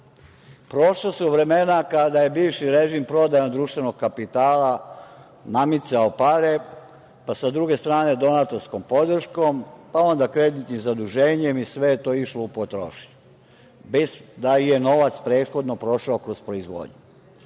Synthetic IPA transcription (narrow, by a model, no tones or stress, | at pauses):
pɾo̞ʃlasuʋɾe̞me̞nakad̪aje̞biːʋʃiɾe̞ʒimpɾo̞d̪ajond̪ɾuːʃt̪ʋe̞no̞ɡ̚kapit̪aːla | namit̪saopaɾe | pasad̪ɾuɡe̞st̪ɾaːne̞d̪o̞nat̪o̞ɾsko̞mpo̞d̪r̩ʃko̞mpao̞nd̪akɾe̞d̪it̪nimzad̪uʒeːɲemisʋe̞jet̪o̞iʃloupot̪ɾo̰ʃi̥ɲu | besd̪aije̞no̞ʋat̪spɾe̞ːt̪xo̞d̪no̞pɾo̞ʃaokɾo̞spɾo̞izʋo̰ːd̪ɲu